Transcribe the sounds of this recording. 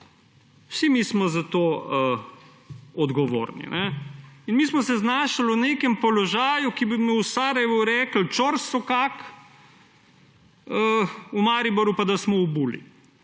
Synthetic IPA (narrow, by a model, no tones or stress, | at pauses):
wsimismɔzat̪oə | ɔd̪ɡɔʋo̰ːɾnḭnɛinmismɔsɛznaːʃalɔneːkɛmpɔlɔʒaːjukibimiwsaːɾɛʋuɾɛːkl̩t͡ʃɔɾsɔkak | əumaːɾibɔɾjupad̪asmɔubuːlḭ